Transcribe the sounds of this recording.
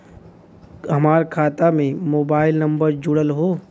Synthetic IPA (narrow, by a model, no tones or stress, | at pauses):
ɦɐmaːɾkʰaːt̪amẽmoːbaːɪlnɐ̃mbəɾd͡ʒʊɽəlɦoː